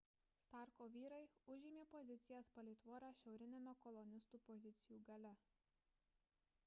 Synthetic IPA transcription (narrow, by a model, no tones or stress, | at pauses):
st̪ɑˑɾkoːʋʲiːɾɐɪʊʒʲɪmʲeːpɔzʲɪt̪sʲɪjɛspɐlʲɛɪt̪ʋuɔɾɑːʃʲɛʊɾʲɪnʲɛmʲɛkɔlˠɔnʲɪst̪uːpɔzʲɪt̪sʲɪjuːɡɐlʲɛ